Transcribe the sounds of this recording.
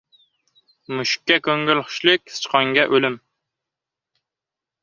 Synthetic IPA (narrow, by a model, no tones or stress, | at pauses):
muʃi̥kʲːɛkʲøŋɡʲylˠχʊ̥ʃlˠɪkʲsɨ̥t͡ʃqɑŋɡʲɛʔølɪm